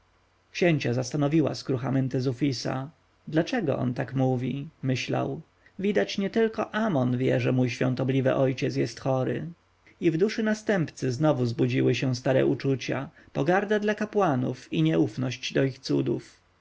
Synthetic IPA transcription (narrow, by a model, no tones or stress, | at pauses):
kɕɛɲt͡ɕazast̪anɔvʲiwa̰skɾuxamɛnt̪ɛzufʲisa̰ | d̪lat͡ʂɛɡɔ̰ʔɔ̰nt̪akmuvʲimɘɕla̰w | vʲid̪at͡ɕɲɛt̪ɘlkɔʔamɔnvʲjɛʐɛmujɕfʲjɔ̃nt̪ɔblʲivɘ̰ʔɔjt͡ɕɛtsjɛst̪xɔɾɘ̰ | ivd̪uʂɘnast̪ɛmpt̪sɘznɔvuzbud͡ʑiwɘɕɛ̃st̪aɾɛ̰ʔut͡ʂut͡ɕa̰ | pɔɡaɾd̪ad̪lakapwanṵfiɲɛufnɔɕd͡ʑd̪ɔixt̪sud̪ṵf